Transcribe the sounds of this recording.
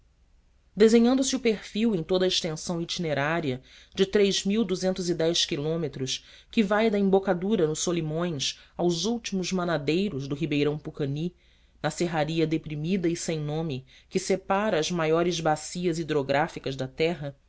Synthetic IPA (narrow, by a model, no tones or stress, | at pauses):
d̪ezẽɲɐ̃nd̪ʊsɪʊpehfiwẽj̃t̪od̪ɐɪʃt̪ẽsɐ̃w̃it͡ʃineɾaɾiɐ | d͡ʒɪt̪ɾejzmiwd̪uzẽnt̪ʊzid̪ɛjʃkilõmet̪ɾʊs | kɪvajd̪ɐẽbokad̪uɾɐnʊssolimõj̃sawzuwt͡ʃimʊzmɐnad̪ejɾʊzd̪ʊɦibejɾɐ̃w̃pukɐni | nɐseɦaɾiɐd̪epɾimid̪ɐɪsẽj̃nõmɪkɪsepaɾɐːzmajɔɾɪzbasiɐzid̪ɾoɡɾʔafikɐzd̪ɐt̪ɛɦɐ